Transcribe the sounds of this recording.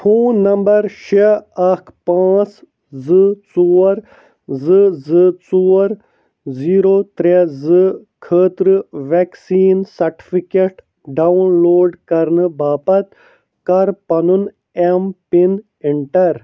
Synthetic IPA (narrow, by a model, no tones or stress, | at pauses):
pʰũːnːɐmbɐɾʃeɐkʰpãːt͡s | zɨt͡suːɾ | zɨzɨt͡suːɐɾ | ziːɾoːt̪ɾezɨ | kʰəːt̪ɾɨʋeksiːnsɐɾʈi̥fikeʈ | ɖawnloːɖkɐɾnɨbaːpɐt̪ | kɐɾpɐnun | empin | iɳʈɐɾ